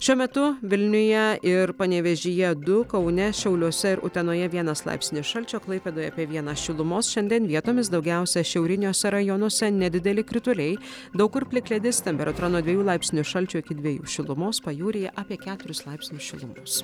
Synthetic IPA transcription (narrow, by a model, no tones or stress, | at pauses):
ʃʲuɔmʲɛt̪ʊʋʲɪlʲnʲʊjɛɪɾpɐnʲɛʋʲɛʒʲɪjɛd̪ʊkɐʊnʲɛʃʲɛʊlʲuɔsʲɛɪɾʔʊ̰t̪ʲɛnoːjɛʋʲiɛnɐslˠɑ̰ɪpʲsʲɪnʲɪsʃɐlʲt͡ʃʲoːklˠɐɪpʲeːd̪oːjɛːpʲiɛʋʲiɛnɐsʃʲɪlˠʊmoːsʃʲɛnʲd̪ʲiɛnʋʲiɛt̪oːmʲɪsd̪ɒʊɡʲɛʊsʲɛʃʲɛʊɾʲɪnʲoːsʲɛɾɐjonɔsʲɛnʲɛd̪ʲɪd̪ʲɛlʲɪkɾʲɪt̪ʊlʲɛɪ | d̪ɐʊkʊɾpʲlʲɪklʲɛd̪ʲɪst̪ʲɛmʲpʲɛɾɐt̪ʊɾɐnoːd̪ʲʋʲɛjuːlˠɑˑɪpʲsʲɪnʲʊʃɐlʲt͡ʃʲuːɪkʲɪd̪ʲʋʲiɛjṵːʃʲɪlˠʊmoːspɐjuːɾʲɪjɛʔɑːpʲiɛkʲæːt̪ʊɾʲʊslˠɑˑɪpʲsʲnʲʊʃʲɪlˠʊmoːs